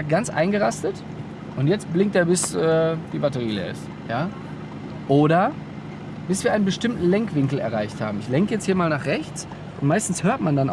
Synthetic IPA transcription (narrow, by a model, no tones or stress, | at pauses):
aɡ̥ant͡sʔa̰ɪnɡəʁastət | ʔʊntjɛt͡stb̥lɪŋkteːɐbɪsʔɛːd̥iːbatəʁiːlḛɐɪ̰st | jaː | ʔoːɾɐ | b̥ɪsv̥iːɐʔaɪnənbəʃtɪmtn̩lɛŋkv̥ɪŋkl̩ɛ̰ɐʁaɪçtha̰ːbm̩ɪçlɛŋkəjɛt͡sthiːɐmaːlnaːχʁɛçt͡s | ʔʊntmaɪstn̩shøːɐtmandana